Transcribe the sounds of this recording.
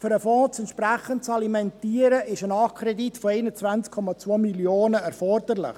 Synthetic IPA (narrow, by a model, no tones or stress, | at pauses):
fʏɾəfɔ̃ːt͡sɛntʃpɾæχəntt͡sɑlimɛntiːəɾəʔɪʃənɑːkʰɾɛditfɔeɪnət͡svant͡skʰːɔmɑt͡svoːmiljoːnəɛɾfɔrd̪əɾlɪ̰χ